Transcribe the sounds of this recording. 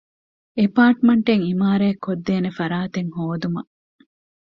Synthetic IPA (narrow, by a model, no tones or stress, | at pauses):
epaːʈmɐɳʈeŋimaːɾɐekʰːod̪ːeːnefɐɾaːt̪eŋhoːd̪umɐ